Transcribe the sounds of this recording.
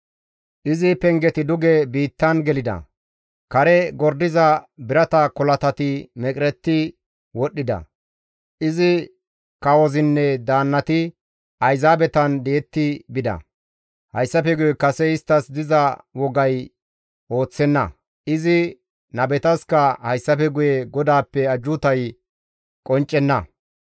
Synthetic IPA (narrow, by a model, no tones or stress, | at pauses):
ʔɪzɪpɛŋɡɛt̪ɪd̪ʊɡɛbiːt̪ːɐnɡɛlɪd̪ɐ̰ | kɐɾɛɡɔɾd̪ɪzɐbɪɾɐt̪ɐkɔlɐt̪ɐt̪ɪmɛkʼɾɛt̪ːɪ | wɔɗːɪd̪ɐ̰ | ʔɪzɪ | kɐwɔzɪnːɛd̪aːnːɐt̪ɪ | ʔɐjzaːbɛt̪ɐnd̪eːt̪ːɪbɪd̪ɐ̰ | hɐjsːɐpɛɡʊjɛkɐsɛɪst̪ːɐsd̪ɪzɐwɔɡɐj | ʔo̞ːt͡sːɛnːɐ̰ | ʔɪzɪ | nɐbɛt̪ɐskɐhɐjsːɐpɛɡʊjɛɡɔd̪aːpːɛɐd͡ʒʊt̪ɐj | kʼɔnt͡ʃʼːɛnːɐ